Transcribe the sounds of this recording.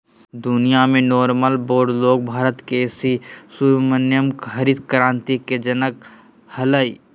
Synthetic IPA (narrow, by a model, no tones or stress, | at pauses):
d̪ʊnijamẽnɔːɾməlboːɾɖloːɡ̚bʱaːɾət̪kesisumənjəmkxəɾiːd̪̚kɾãːnt̪iked͡ʒɐnək | hələi